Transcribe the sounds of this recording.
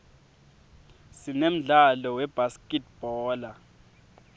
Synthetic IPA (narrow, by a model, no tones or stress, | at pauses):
sinem̩ɮalɔwɛb̥askʼɛt̚b̥ʱɔːla